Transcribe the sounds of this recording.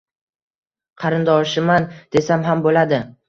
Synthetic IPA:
qʰɑɾɪnd̪ɒʃɪmand̪̥e̞samɦambolad̪ɪ

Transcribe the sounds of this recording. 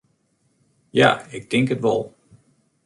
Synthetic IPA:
ja̰ːɪɡ̚dɪŋkɦətʋɑ̰lˠ

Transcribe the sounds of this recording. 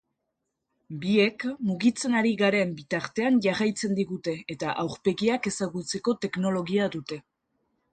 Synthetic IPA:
bie̞kmuɣit͡se̞naɾiɣaɾe̞mbit̪aɾt̪e̞anʝarajt͡se̞nd̪iɣut̪e̞ːt̪aʔawɾpe̞ɣiake̞saɣut͡se̞ko̞t̪e̞kno̞lo̞ɣiaðut̪e̞

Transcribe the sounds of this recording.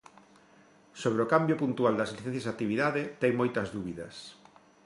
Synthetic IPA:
soβɾeokambjopunt̪uald̪ɐsliθẽn̟θjesat̪iβiðaðet̪ɛjmojt̪ɐzðuβiðɐs

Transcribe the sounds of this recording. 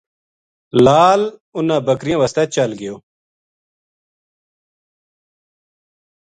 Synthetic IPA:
laːlʊnãːbəkɾijãːʋəst̪ɛːt͡ʃəlɡɪjoː

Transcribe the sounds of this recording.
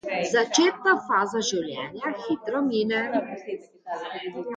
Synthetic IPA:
zat͡ʃeːt̪̚kafaːzaʒiwljɛ̰ːnjaxiːt̪ɾɔmiːnɛ

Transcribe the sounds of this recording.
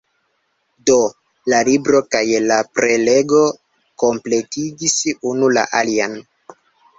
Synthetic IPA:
do̞ | lalibɾo̞kajlapɾe̞le̞ɡo̞ | ko̞mple̞tiɡisunula̰ʔalian

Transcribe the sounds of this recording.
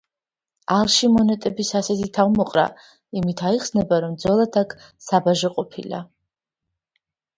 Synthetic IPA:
alˠʃimɔnɛt̪ʼɛbisasɛt̪ʰit̪ʰavmɔqʼɾa̰ | imit̪ʰaiχsnɛbaɾɔmd̪zɔlˠad̪akʰsabaʒɔqʼɔpʰḭla̰

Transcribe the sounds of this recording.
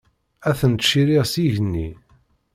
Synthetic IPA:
æθənt̪ʃiɾiʁsiʝənːi

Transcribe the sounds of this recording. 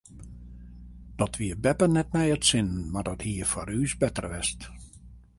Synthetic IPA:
d̥ɔtʰʋiəbɛpərnɛt̚mɛjətsɪnmardɔthiːəfɔɾyːsbɛtə̰rʋɪst

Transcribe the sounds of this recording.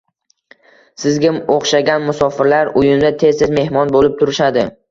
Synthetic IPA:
sɪzɡʲɪmoχʃaɡʲanmʊsɒfɪɾlaɾʊjɪmd̪at̪ʰe̞zɪzme̞hmɒnbolɪp̚t̪ʰʊɾɪʃad̪ɪ

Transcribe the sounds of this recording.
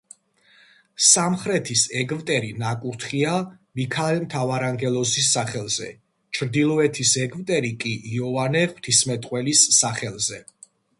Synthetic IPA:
samχɾɛt̪ʰisɛɡvt̪ʼɛɾinakʼuɾt̪ʰχiamikʰaɛlmt̪ʰavaɾaŋɡɛlˠɔsisːaχɛlˠzɛ̰ | t͡ʃʰɾd̪ilˠɔɛt̪ʰisɛɡvt̪ʼɛɾikʼiʔːɔvanɛχw̥t̪ʰismɛt̪ʼqʼwɛlisːaχɛlˠzɛ

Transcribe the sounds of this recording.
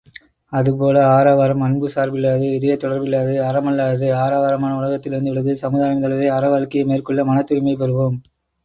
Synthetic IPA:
ɐðɯp̬oːlɐaːɾaːʋaːɾɐmɐɳbɯsaːɾbɪlːaːðɯɪðɐjɐt̪ɔɽɐɾbɪlːaːðɯɐɾɐmɐlːaːðɯaːɾaːʋaːɾɐmaːnɐʊlɐɣɐt̪ːɪlɪɾɯnd̪ɯʋɪɭɐɣɯsɐmɯðaːjɐmt̪ɐlɐðɐɪɐɾɐʋaːɭkɪjɐmeːrkɯɭːɐmɐnɐt̪ːɯɪmɐɪp̬ːɛɾɯʋoːm

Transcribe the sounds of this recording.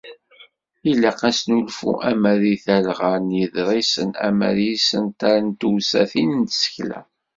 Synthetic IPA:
ilːaqæsnulfṵʔæmæðiθælʁaɾnjəðɾˤisənæ̰mæ̰ɾjisənt̪aɾənt̪uwsæθinnt̪sə̥çlæ̰

